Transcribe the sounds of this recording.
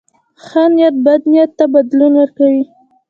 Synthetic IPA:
xanjat̪̚bad̪nijat̪ːabad̪lunwaɾkawi

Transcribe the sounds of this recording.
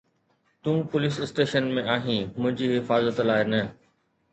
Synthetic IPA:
t̪ũːpʊlɪsɪsʈeːʃənmẽʔaːɦĩːmʊ̃ɦɪ̃ɲd͡ʑiɦɪfaːzət̪laːenɐ

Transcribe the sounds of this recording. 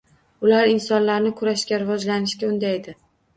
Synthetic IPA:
ʊlaɾɪnsɒnlaɾnɪkʰʊɾaʃkʲaɾɪvɒd͡ʒlanɪʃkʲaʊnd̪ajd̪ɪ

